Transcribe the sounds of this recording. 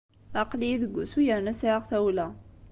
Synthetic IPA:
ɑqliðəɡʷːusujəɾnæsʕʁθæwlæ

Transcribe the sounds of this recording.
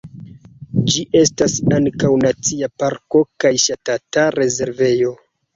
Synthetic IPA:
d͡ʒiʔe̞stasaŋkawnat͡siapaɾko̞kajʃatataɾe̞ze̞ɾve̞jo̞

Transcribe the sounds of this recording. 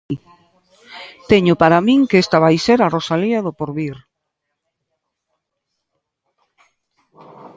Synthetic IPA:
t̪eɲʊpaɾamĩŋkest̪aβ̞ajseɾarosaliaðʊpoɾβiɾ

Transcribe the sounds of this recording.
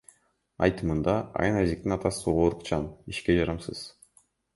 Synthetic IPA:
ɑ̰jt̪ɯmɯnd̪ɑɑ̰jɯnazikt̪inɑt̪ɑsɯoʁoːɾuqt͡ʃʰɑniʃke̞d͡ʒɑɾɑmsɯz̥

